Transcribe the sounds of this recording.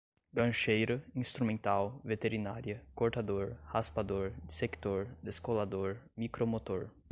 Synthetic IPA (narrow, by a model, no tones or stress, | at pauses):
ɡɐ̃ʃejɾɐĩst̪ɾumẽnt̪awvet̪eɾina̰ɾiɐkoɾt̪ad̪oɾhaspad̪oɾd̪isekt̪oɾd̪eskolad̪oɾmikɾomot̪oɾ